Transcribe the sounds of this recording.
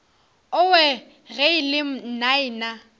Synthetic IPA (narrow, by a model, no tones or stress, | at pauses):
ʊwɛ | ɣɛɪlɪm̩naɪna